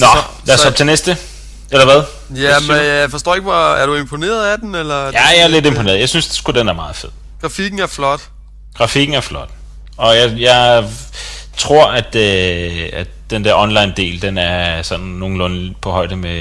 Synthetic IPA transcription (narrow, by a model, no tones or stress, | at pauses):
nɒlæɐsɒb̥̚t͡sʰe̝nesd̥ə | elɐʋæð̞ˠ | jæfɒsd̥ɔ̰ːeɡ̥ʋɒæɐɾ̥ue̝mpʰo̝ne̝̰ːɐð̩ˠæd̥enelɐjæjaæɐle̝d̥e̝mpʰone̝̰ːɐðˠjaɪsynsd̥esɡ̥ud̥enæɐmɑ̈ːð̞̩ˠfe̝ð̰ˠ | ɡ̥ʁɑ̈fiɡ̥n̩æɐflɒd̥ | ɡ̥ʁɑ̈fiɡ̥n̩æɐflɒ̽d̥ | ɒ̽jɑ̈ɪjɑ̈ɪ | t͡sʰʁo̝ɐ̰æd̥øæd̥ | d̥end̥eɐ̰ɒ̽nlɑ̈ɪnd̥e̝̰ːld̥enæɐsɒ̽nnːo̝ːn̩lɔ̽npʰɒ̽hɒ̽ɪ̰d̥əme